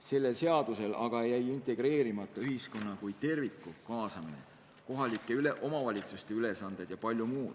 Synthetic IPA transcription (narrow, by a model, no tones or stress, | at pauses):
se̞lːe̞lse̞ɑd̪̥use̞lʔɑ̰ɡ̥ɑejæjint̪ˑe̞ɡ̥ɾe̞ːɾimɑt̪ːˑɑyɦisko̞nːɑkujt̪e̞rvikːˑukɑːsɑmine̞̰ | ko̞ɦɑlʲikːˑe̞yleʔo̞mɑvɑlʲit̪sust̪e̞yle̞sɑnd̪̥e̞d̪̥jɑpɑlʲjumuːd̪̥